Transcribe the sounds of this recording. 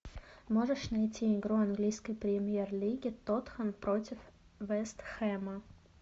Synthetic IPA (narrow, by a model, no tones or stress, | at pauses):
moʐəʂnɐjtʲʰiɪɡɾuɐnɡlʲijskəjpɾʲɪmʲjerlʲiɡʲɪt̪ot̪xənpɾotʲɪf | vɛst̪xɛmə